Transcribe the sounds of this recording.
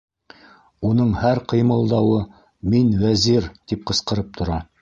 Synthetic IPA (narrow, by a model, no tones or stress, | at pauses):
unɤɴhæɾqɤ̆jmɤ̆lˠd̪ɑwɤ | minwæziɾt̪ip̚qɤ̆sqɤ̆ɾɤp̚t̪ʰŏɾɑ